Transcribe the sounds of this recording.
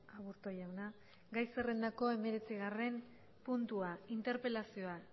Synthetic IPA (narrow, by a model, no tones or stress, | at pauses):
aβuɾt̪ojawna | ɡajsere̞nd̪ako̞e̞me̞ɾe̞t͡siɣare̞n | punt̪uaint̪e̞ɾpe̞lasio̞a